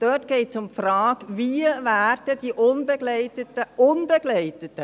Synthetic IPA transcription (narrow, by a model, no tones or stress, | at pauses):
d̥œtɡ̥eɪtsʊmpfrɑːɡviəvæːrd̥əd̥iʔʊnbeɡlɛɪtətəʔʊnbeɡlɛɪtətə